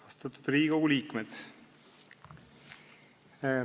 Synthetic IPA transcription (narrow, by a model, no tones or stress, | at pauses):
ɑst̪ɑt̪ːu̥d̪̥riːɡo̞ɡuliːkmet̪